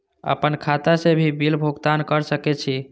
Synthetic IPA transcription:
ə̰pənkʰat̪asebʱibilbʱuɡt̪ankəɾsəkɛt͡ʃʰi

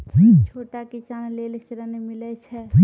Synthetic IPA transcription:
it͡ʃʰoːʈakisaːnleːlsɪɾənemɪlɛt͡ʃʰɛi

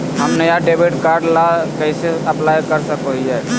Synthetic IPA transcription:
ɦəmnəjaɖebiʈkaɾɖlakəɪseəplajkəɾsəkoɦid͡ʒaj

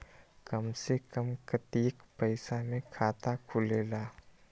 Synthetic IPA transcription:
kəmsekəmkət̪iːkpəɪsamẽkʰaːt̪akʰʊleːlaː

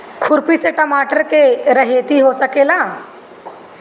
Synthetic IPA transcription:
kʰʊɾpit͡seʈəmaːʈəɾkeɾəɦet̪iɦosəkelaː

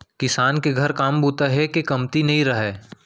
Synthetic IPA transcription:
kɪsaːnkeɡʱɐɾkaːmbʱuːt̪aɦɛkekɐmt̪inɐɦĩɾɐɦɛː

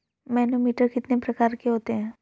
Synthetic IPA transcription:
mɛːnomiːʈəɾkɪt̪nepɾɐkaːɾkeɦoːt̪eɦɛ̃ː

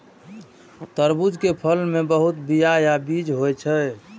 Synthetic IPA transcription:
t̪əɾbud͡ʒkepʰəlmebəɦut̪bijajabid͡ʒɦojt͡ʃʰə

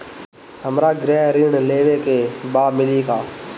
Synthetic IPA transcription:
ɦəmɾaːɡɾɛːɾiːɳleːʋeːkeːbaːmɪliːkaː

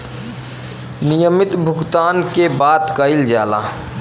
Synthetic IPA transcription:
nijəmɪt̪bʱʊɡt̪aːnkebaːt̪kəɪld͡ʒa̰ːla̰

